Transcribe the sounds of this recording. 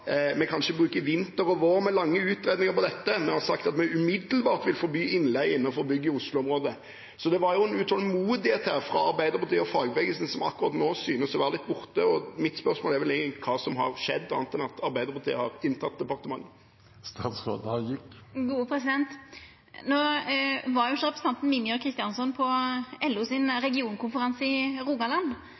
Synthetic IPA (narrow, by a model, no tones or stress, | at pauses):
mɛkʰɑnʃəbʁʉːkəʋɪnt̪əɾɔʋoːʁmɛlɑŋːəʉːt̪ɾeːd̪ɪŋəɾpɔd̪ɛt̪ːəmɛhɑsɑkt̪ɑt̪mɛʉmɪd̪əlbɑːʁt̪ʋɪlfɔɾbyːɪnlɛɡɪnːɑfɔʁbʏɡːəʊslʊɔmʁoːd̪ə | sɔd̪ɛʋɑɾjʊɛnʉːt̪hɔlmuːd̪ɪheːt̪hæːʁfɾɑɑɾbæɪd̪əɾpɑt̪iːəɔfɑːɡʋɛɡəlsən̩sɔmɑ̰kːʊʁɑt̪noːsyːnəsɔʋɑːʁlɪt̪ːbʊʁt̪əɔmɪt̪spœɾsmoːlɛɾʋɛlɛɡəkʰɑːsɔmɦɑ̰ʁʂɛd̪ːɑ̰ːnət̪ʰɛnɑt̪ʰɑɾbæɪd̪əʁpɑt̪ḭːəhɑɾɪnt̪ʰɑt̪̚d̪ɛpɑʁt̪əmɑŋː | st̪ɑːt̪sɾo̰ːd̪hɑjɪkɡuːəpʰɾɛsɪd̪ɛnt̪ | noːʋɑɾjʊsɔʁɛpɾəsət̪ɑnt̪n̩mɪmjøkʰʁɪst̪ɪjɑnsɔnpʰɔɛlːʉsɪnɾɛɡɪuːnkʰʊnfəɾɑnsɪʁuːɡɑlɑnd̪